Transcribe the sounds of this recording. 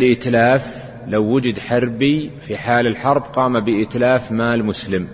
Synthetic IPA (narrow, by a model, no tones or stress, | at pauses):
lʔɪt̪laːf | lawːʊd͡ʒɪd̪ħɑɾˤbifiħaːlalħɑɾˤbqɑːmabɪʔɪt̪laːfmaːlmʊslɪm